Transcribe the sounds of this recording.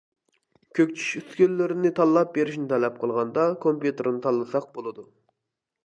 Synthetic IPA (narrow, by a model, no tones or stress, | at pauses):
kʲʰøkʲt͡ʃʰy̥ʃyskʲylːɪɾɪnɪt̪ʰɑlˠːɑp̚beɾɪʃnɪt̪ʰɛlɛp̚qʰəlˠʁɑnd̪ɑkʰompjut̪ɨɾnɨt̪ʰɑlˠːɨsɑq̚bolˠɨd̪u